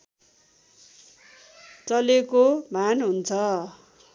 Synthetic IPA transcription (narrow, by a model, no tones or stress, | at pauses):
t͡sʌlekomanɦunt͡sʰʌ